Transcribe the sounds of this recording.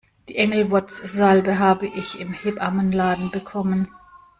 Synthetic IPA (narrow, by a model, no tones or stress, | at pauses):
d̥iːʔɛŋl̩vɔt͡sz̥albəɦaːbəʔɪçɪmhɪpʔamənlaːdn̩bəkʰɔmən